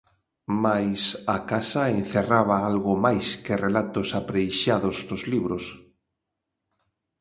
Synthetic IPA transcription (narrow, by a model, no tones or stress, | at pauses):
majsakasaen̟θeraβaalɣʊmajskɪrelat̪ʊsapɾejʃaðʊzdʊzliβɾʊs